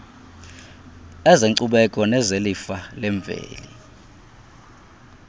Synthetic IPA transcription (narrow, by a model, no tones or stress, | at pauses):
ɛziŋǀuɓɛkʼɔnɛzelifalɛɱb̪vʱḛːli